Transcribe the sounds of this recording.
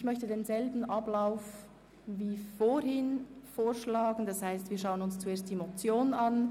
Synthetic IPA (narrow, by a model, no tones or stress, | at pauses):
çmœçtədeːnzɛlbn̩ʔɑblaʊf | viːfoːɾhɪnfoːɾʃlaːɡn̩d̥ɑshaɪstviːɐʃaʊənʊnst͡sueːɐstd̥imot͡sjoːnɑn